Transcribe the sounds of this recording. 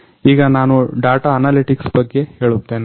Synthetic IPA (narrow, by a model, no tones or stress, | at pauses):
iːɡɐnaːnuɖaːʈaɐnaːliʈiksbɐɡːe̞he̞ːɭut̪ːeːn